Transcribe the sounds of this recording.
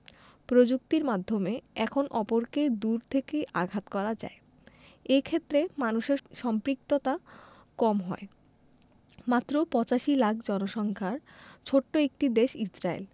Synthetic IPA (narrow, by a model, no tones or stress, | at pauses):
pɾod͡ʑuk̚t̪iɾmad̪ʱːomeɛkʰonʔɔpoɾked̪uɾt̪ʰekeʔaɡʱat̪kɔɾad͡ʑa̰e | ekʰet̪ːɾemanuʃeɾʃɔmpɾik̚t̪ot̪a | kɔmɦɔe | mat̪ːɾopɔt͡ɕaʃilak̚ʰd͡ʑɔnoʃɔŋkʰaɾt͡ɕʰoʈːoek̚ʈid̪eʃisɾaḛl